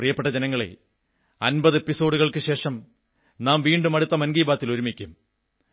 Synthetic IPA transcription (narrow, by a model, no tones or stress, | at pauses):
rijɐpːeʈːɐd͡ʑenɐŋːɐɭḛ | ɐnbɐðɨe̞pːiso̞ːɽuɣɐɭkɨɕe̞ːʂɐm | naːmʋiːɳɖumɐɽut̪ːɐmɐnɡiːbaːt̪ːiloɾumikʲːum